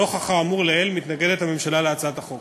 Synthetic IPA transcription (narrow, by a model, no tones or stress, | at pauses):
o̞χaχaːmuʁleelmit̪naɡedethame̞mʃalaleat͡saataχok